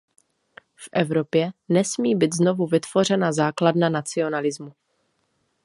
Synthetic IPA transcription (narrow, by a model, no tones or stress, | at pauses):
fʔɛvɾo̞pjɛnɛsmiːbit̪zno̞vuvɪt̪v̥o̞r̝ɛnazaːkladnanat͡sɪo̞nalɪzmu